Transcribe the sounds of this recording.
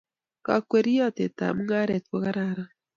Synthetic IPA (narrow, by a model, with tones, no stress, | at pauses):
ka̰˨kwe˦ɾi˦ɔ˦t̪e˨ta̰˨mu˦ŋa˦ɾe˨t̪̚ko˦ka˦ɾa˨ɾa˦